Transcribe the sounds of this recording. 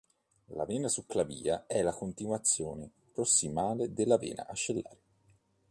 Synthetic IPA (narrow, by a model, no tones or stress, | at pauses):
la̰vɛːnasukːlavḭːaɛlːakont̪inwat̪sːjoːne | pɾosːimaːled̪elːavɛ̰ːna̰ʔat͡ʃːelːaːɾe